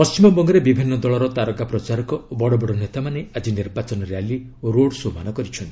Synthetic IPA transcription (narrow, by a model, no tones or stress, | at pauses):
pɔst͡ʃimɔbɔŋɡɔɾebibʱinːɔd̪ɔɭɔɾɔt̪aɾɔkapɾɔt͡ʃaɾɔkɔbɔɽɔbɔɽɔnet̪amanead͡ʒiniɾbat͡ʃɔnɔɾjali | oɾoɽsomanɔkɔɾit͡ʃʰɔnt̪ii